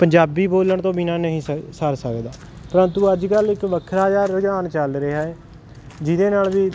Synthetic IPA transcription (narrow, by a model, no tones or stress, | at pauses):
pəɲd͡ʒaːbiːboːləɳt̪õːbinaːnəɦĩːsəsəɾsəkd̪aː | pəɾə̃nt̪uːəd͡ʒkəlɪkʋəkʰɾaːd͡ʒaːɾːəd͡ʒaːnt͡ʃəlɾeːɦɛː | d͡ʒɪd̪eːnaːlʋiː